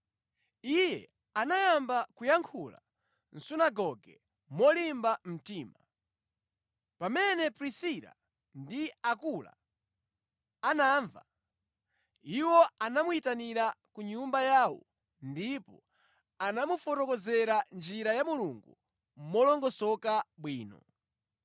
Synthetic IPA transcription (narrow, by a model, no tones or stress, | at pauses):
ijɛ̰ | anajambakujaŋkʰula̰ | n̩sunaɡɔɡɛ | mɔlimbam̩tiːma | pamɛnɛpɾisiɾa̰ | ndiakula̰ | anaːɱva | iwɔanamuitaniɾakuɲumbajaːwɔ̰ | ndipɔ | anamufɔtɔkɔzɛɾand͡ʒiɾajamuluŋɡu | mɔlɔŋɡɔsɔkaɓwiːnɔ̰